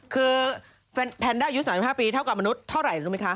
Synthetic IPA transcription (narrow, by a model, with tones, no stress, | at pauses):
kʰɯː˧ | pʰɛ˧npʰɛː˧ndaː˥˩ju˦˥saː˨˦si˨˩haː˥˩piː˧t̪ʰa˥˩wka˨˩p̚ma˧nu˦˥t̪̚ʰːa˥˩wɾa˨˩jɾuː˦˥ma˦˥kʰa˦˥